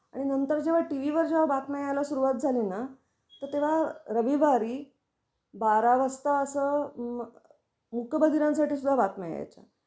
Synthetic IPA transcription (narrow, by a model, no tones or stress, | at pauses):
a̰ɽ̃inənt̪əɾd͡ʑeʋ̤aʈiʋ̤iʋəɾd͡ʑeʋ̤abat̪majalasuɾuʋat̪̚d͡zʱalina | t̪əɾt̪eʋ̤aɾəʋibaɾiː | baɾaʋəst̪əəsə | mukəbəd̪iɾãnsaʈiːsud̪ʱːabat̪mɛja̰jt͡ɕa̰